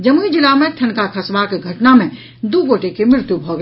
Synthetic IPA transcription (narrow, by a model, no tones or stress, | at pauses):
d͡ʒɐmuid͡ʒɪlamẽt̪ʰɐnkakʰɐsʋakeɡʱɐʈnamẽ | d̪uɡoːʈekemɾɪɾt̪jubʱoːɡ